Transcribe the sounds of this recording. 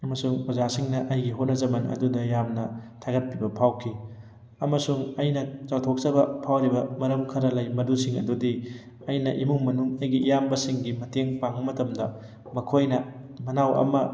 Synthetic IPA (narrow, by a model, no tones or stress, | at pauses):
ɐmɐsuŋpɐzasiŋnɐʔɐjɡiɦot̚nɐzɐmɐnɐ̰dudɐjamnɐtʰaɡɐt̚pibɐpʰawkʰi | ɐmɐsuŋɐjnɐt͡ʃawtʰok̚sɐbɐpʰawɾibɐmɐɾɐmkʰɐɾɐlɐjmɐdusiŋɐ̰dudi | ɐjnɐʔimuŋmɐnuŋɐjɡiːjambɐsiŋɡimɐteŋpaŋɐmɐtɐmdɐ | mɐkʰojnɐ | mɐnawʔɐ̰mɐ